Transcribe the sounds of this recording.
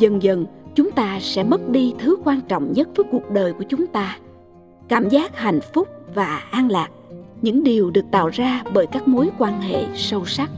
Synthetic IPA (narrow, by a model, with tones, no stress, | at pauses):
zə˨˩nzə˨˩nt͡ɕʊ˨˦ŋ͡mt̪aː˧sɛ̰˧˥mə˦˥t̚ɗi˧t̪ʰɨ˨˦kwaː˧nt͡ɕɔ̰˧˨wŋ͡mɲə˦˥t̚vəː˨˦jku˨˩ək̚ɗəː˨˩jku˧˩ət͡ɕʊ˨˦ŋ͡mt̪aː˧ | kaː˧˩mzaː˦˥k̚ha̰˨˧˨jŋ̟fʊ˦˥k͡p̚vaː˨˩ʔaː˧nlaː˨˩k̚ɲɨ̰˧˥ŋɗi˨˩əwɗɨ˨˩ək̚t̪a̰ː˧˨wzaː˧ɓəː˧˩jkaː˦˥k̚mo˨˦jkwaː˧nhḛ˧˨sə˧wsa˦˥k̚